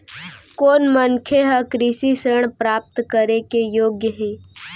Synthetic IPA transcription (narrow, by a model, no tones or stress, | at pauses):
koːnmənkʰeɦəkɾisisɾəɳ̃pɾaːp̚t̪kəɾekejoːɡjəɦeː